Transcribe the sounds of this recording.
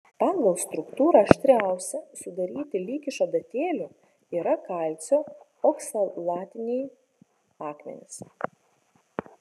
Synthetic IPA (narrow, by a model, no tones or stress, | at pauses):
pɑːŋɡɐlˠst̪ɾʊkt̪uːɾɐɐʃʲt̪ʲɾʲæˑʊsʲɛsʊd̪ɐɾʲiːt̪ʲɪlʲiːkʲɪʃɐd̪ɐt̪ʲeːlʲʊ | iːɾɐkɐˑlʲˑt̪sʲoː | ɔksɐlˠɑːt̪ʲɪnʲɛj | ɑːkmʲɛ̰nʲɪs